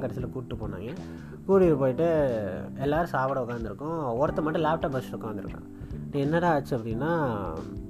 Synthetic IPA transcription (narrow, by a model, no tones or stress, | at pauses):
kɐɾɐsɪlɐkuːʈːɯpoːna̰ːŋɡɐ | kuːɽipoːjɪʈːɯ | ɛlːaːɾɯ̃saːʋɐɽɐʊkːaːɾnd̪ɪɾɯkːʊ̃ɔɾɐt̪ːɐmɐʈːɐ̃laːp̚ʈaːpbɐsʊkːaːnd̪ɪɾɯ̰kːɐ̰̃ | ʈːɐ̃ɛnːɐðãɐt͡ʃːɯɐpːɐɽɪnːaː